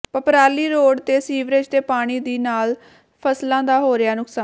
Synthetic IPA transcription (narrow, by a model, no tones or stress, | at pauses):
pəpɾaːliːɾoːɖt̪eːsiːʋɾeːd͡ʒt̪eːpaːɽ̃iːd̪iːnaːl | pʰəslãːd̪aːɦoːɾɪjaːnʊksaːn